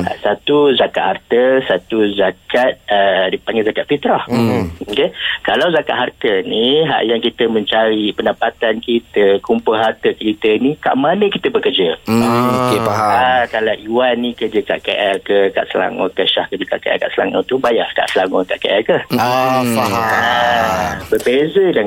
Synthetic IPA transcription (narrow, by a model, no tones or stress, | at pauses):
a̰ʔsat̪uzakat̪̚hart̪əsat̪uzakat̪̚ədipaŋɡɛzakat̪̚fit̪ɾahokekalawzaka̰ʔ̪̚hart̪əniɦa̰ʔjaŋkit̪əmə̃ɲt͡ʃaɾipəndapat̪ankit̪əkumpʊlɦart̪əkəkit̪ənika̰ʔmanə̃kit̪əbəkərd͡ʒəokeaaakalaʔiwanːikərd͡ʒəka̰ʔkeʔɛlkəka̰ʔsəla̰ŋɔ̰kəʃahkəd͡ʒuka̰ʔkeʔɛ̰lka̰ʔsəla̰ŋa̰t̪ubajahka̰ʔsəlaŋɔkaʔkeʔɛlkə | aa | bərbezədaŋ